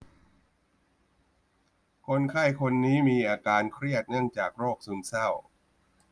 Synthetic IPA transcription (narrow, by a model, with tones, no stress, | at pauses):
kʰo˧nkʰa˥˩jkʰo˧nːiː˦˥miː˧ʔaː˧kaː˧nkʰɾi˥˩ət̪̚nɯ˥˩əŋt͡ɕaː˨˩k̚ɾoː˥˩k̚su˨˧nsa˥˩w